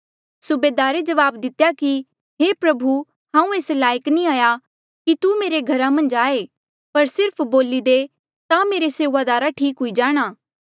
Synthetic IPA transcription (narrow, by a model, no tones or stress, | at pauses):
sʊbeːd̪aːɾed͡ʒɐʋaːbd̪ɪt̪jaki | ɦeːpɾɐbʱu | ɦãːũeːslaːjəknĩaːja | kit̪umeːɾeɡʱɐɾamɐ̃nd͡ʒaːe | pɐɾsɪɾpʰboːlid̪e | t̪ãmeːɾeseːʋad̪aːɾaʈʰiːkɦʊid͡ʒaːɽ̃aː